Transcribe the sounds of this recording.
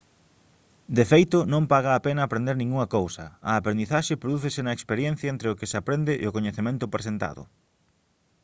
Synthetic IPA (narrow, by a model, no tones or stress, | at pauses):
d̪efejt̪ʊnõmpaɣɐːpenɐːpɾend̪eɾnĩŋuŋɐkowsɐ̰ɐːpɾẽnd̪iθaʃɪpɾoðuθɪsɪnɐekspeɾjen̟θjɐent̪ɾeʊkɪsapɾend̪ɪʔʊkoɲeθemẽnt̪ʊpɾesent̪a̰ðʊ̰